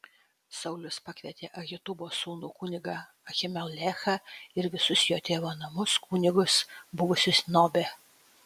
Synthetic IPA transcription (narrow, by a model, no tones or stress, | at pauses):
sɐʊlʲʊspɐkʲʋʲɛt̪ʲeːʔɐɣʲɪt̪ʊboːsuːnuːkʊːnʲɪɡɐ | ɐxʲɪmʲɛlʲˠlʲɛxɐɪɾʋʲɪsʊsjoːt̪ʲeːʋoːnɐmʊskuːnʲɪɡʊsbʊʋʊsʲʊsnoːbʲeː